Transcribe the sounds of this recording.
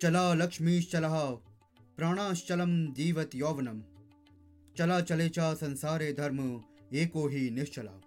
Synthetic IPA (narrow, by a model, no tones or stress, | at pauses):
t͡ʃɐlaːlɐkʂmiːʃt͡ʃɐlɐɦaː | pɾaːɽ̃ãːʃt͡ʃɐlɐmd̪iːʋɐt̪joːʋɐnɐm | t͡ʃɐlaːt͡ʃɐleːt͡ʃaːsɐnsaːɾeːd̪ʱɐɾm | eːkoːɦiːnɪʃt͡ʃɐla̰ː